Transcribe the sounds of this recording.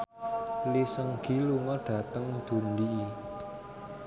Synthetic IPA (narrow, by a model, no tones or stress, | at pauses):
lisəŋɡ̥i̤luŋɔɖ̥ä̤t̪əŋd̪̥ṳndi